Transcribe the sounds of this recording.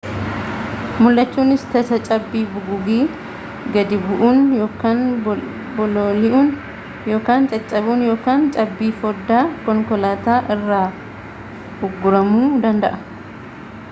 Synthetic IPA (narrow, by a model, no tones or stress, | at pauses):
mʊlːɐt͡ʃːuːnɪst̪ɐsɐt͡ʃʼɐbːiːbʊɡʊɡiː | ɡɐd̪ɪbʊʔuːnjoːkaːn | bɔloːlɪʔuːn | jo̞ːkaːnt͡ʃʼɐt͡ʃʼːɐbuːnjoːkaːnt͡ʃʼɐbːiːfɔd̪ːaːkɔŋkɔlaːt̪aːʔɪrːaː | ʊɡːʊɾɐmuːd̪ɐnd̪ɐʔɐ̥